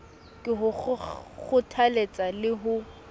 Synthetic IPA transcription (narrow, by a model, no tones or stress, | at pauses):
kʼɪɦʊɣʊtʰalet͡sʼalɪɦʊ